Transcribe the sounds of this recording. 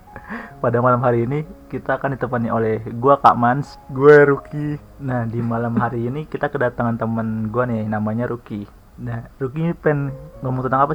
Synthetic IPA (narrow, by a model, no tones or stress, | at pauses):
padamalamɦaɾiːnikit̪aːkandit̪əmpaniolɛhɡuaka̰ʔmans | ɡuaɾuki | nahdimalamɦaɾiːnikit̪akədat̪aŋant̪əmənɡuaninamaɲaɾuki | narukipɛnŋomuŋt̪ənt̪aŋapa